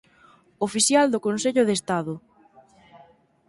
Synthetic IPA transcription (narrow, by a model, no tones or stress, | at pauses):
ofiθjald̪ʊkonseʎʊðest̪aðʊ